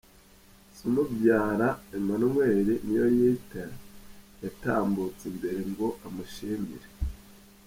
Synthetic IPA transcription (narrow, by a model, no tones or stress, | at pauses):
sunubjaːɾaeɲumanumweːɾenijojita | jataːmbut͡sembe̞ɾe̞ŋɡo̞ʔamuʃiːmḭɾe